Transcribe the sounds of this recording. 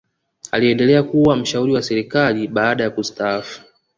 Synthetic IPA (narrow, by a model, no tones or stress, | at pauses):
a̰liɛndɛlɛakuwam̩ʃauɾiwasɛɾikaliɓaaɗajakustaafu̥